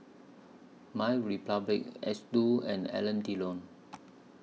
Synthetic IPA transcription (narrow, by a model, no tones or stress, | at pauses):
majɹipablik̚ɛ̰sduɛ̰̃nɛ̰lə̃ntilõn